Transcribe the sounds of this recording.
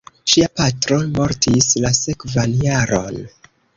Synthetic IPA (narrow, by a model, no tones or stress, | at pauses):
ʃiapatɾo̞mo̞ɾtislase̞kvanjaɾo̞̰n